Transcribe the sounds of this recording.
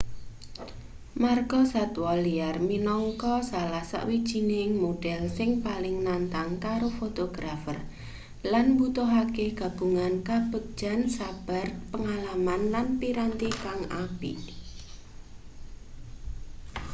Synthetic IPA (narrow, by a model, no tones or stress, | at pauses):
marɡɔsat̪waliarminɔŋkɔsalahsa̰ʔwid̥ʒ̥i̤nɪŋmoɖ̥ɛlsɪŋpalɪŋnant̪aŋkaɾofot̪oɡ̥ɾafə̰r | lanbut̪oɦakeɡ̥a̤b̥uŋankab̥əd̥ʒ̥a̤nsab̥a̤rpəŋalamanlanpiɾant̪ikaŋapḭ